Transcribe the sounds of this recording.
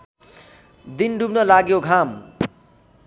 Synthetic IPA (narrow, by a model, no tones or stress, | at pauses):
d̪inɖubnʌlaɡjoɡʱam